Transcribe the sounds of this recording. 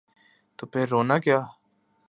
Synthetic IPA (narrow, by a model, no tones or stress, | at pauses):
t̪opʰɪɾːoːnakjaː